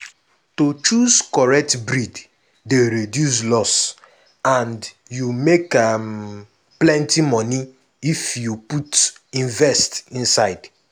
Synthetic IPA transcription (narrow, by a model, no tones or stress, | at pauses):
tot͡ʃuzkɔɹɛk̚tbɾid | deɾedjus̬lɔs | ãnd | jumekam | plɛ̃ntimɔni | ifjuputĩnvɛstĩnsaɪd̥